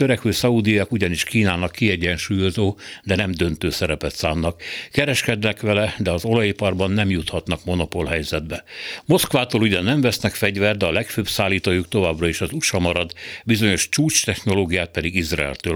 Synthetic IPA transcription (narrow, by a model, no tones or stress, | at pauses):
t̪øɾɛkhøːsɒud̪ijɒkuɟɒniʃkiːnaːnɒkːiɛɟɛnʃuːjo̞zoːd̪ɛnɛmd̪ø̞nt̪øːsɛɾɛpɛt̪saːnːɒkkɛɾɛʃkɛd̪nɛkʋɛlɛd̪ɛɒzo̞lɒjipɒrbɒnːɛmjut̪hɒt̪nɒkmo̞no̞po̞lɦɛjzɛd̪bɛmo̞skʋaːt̪oːluɟɛnɛɱvɛsnɛkfɛɟvɛrd̪ɛɒlɛkføːbsaːliːt̪oːjukt̪o̞vaːbrɒiʃɒzuʃɒmɒɾɒd̪bizo̞ɲo̞ʃt͡ʃuːt͡ʃt̪ɛxno̞loːɡijaːt̪̚pɛd̪iɡizra̰ɛ̰lt̪øː